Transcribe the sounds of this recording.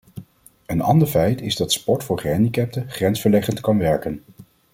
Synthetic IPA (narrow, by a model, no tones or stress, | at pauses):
ənɑ̰ndəɹfɛjtɪzdɑtspɔɹtfʊːɹχɛndikɛp̚təχrɛnsfəɹlɛχəntkɑnʋɛɹkən